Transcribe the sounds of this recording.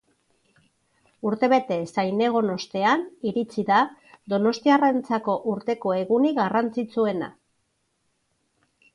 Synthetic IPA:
uɾt̪e̞βe̞t̪e̞sajne̞ɣ̞o̞no̞st̪e̞aniɾit͡siðad̪o̞no̞st̪iarent͡sako̞ʔuɾt̪e̞ko̞e̞ɣuniɣarant͡sit͡sue̞na̰

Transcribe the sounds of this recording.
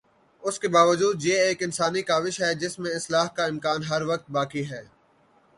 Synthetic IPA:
ʊskebaːʋəd͡ʒuːd̪jeːeːkɪ̃nsaːnikaːʋɪʃɦɛd͡ʒɪsmẽɪslaːɦkaɪ̃mkaːnɦɐɾʋɐk̚t̪̚baːkiɦɛː

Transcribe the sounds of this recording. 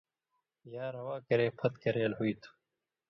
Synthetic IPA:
jaːɾɐwaːkɐɾeːpʰɐt̪kɐɾeːlɦuit̪ʰu̥

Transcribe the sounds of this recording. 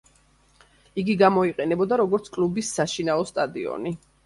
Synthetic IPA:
iɡiɡamɔiqʼɛnɛbɔd̪aɾɔɡɔɾt̪sʰkʼlubisːaʃinaɔst̪ʼad̪iɔ̰ni

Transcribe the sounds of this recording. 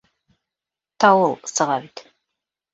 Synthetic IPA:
t̪ʰɑwɤlˠsɤ̆ʁɑβit̪

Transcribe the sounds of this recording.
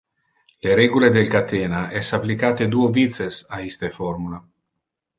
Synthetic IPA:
leɾeɡuled̪elkat̪eːnaʔɛsaplikaːt̪ed̪uovit̪sesaist̪efoɾmula

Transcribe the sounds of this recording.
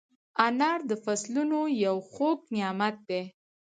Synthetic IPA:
anɑɾd̪əfaslunojawxoknɪjɑmat̪̚d̪e

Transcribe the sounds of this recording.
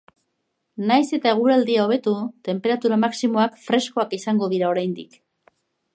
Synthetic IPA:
najse̞t̪ae̞ɣ̞uɾald̪iao̞β̞e̞t̪ut̪e̞mpe̞ɾat̪uɾamaksimo̞akfɾe̞sko̞akisaŋɡo̞ðiɾao̞ɾajnd̪ḭk

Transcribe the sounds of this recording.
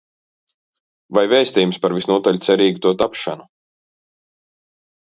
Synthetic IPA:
vajvɛːst̪iːjumspaɾvisnuɔt̪aʎʲt̪sɛɾiːɡut̪uɔt̪apʃanu

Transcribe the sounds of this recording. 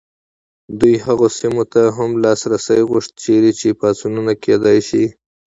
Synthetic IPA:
d̪ujhaɣosimot̪aɦamlɑsɾasajɣʊʂt̪̚t͡ʃeɾit͡ʃepɑsununaked̪ɑjʃi

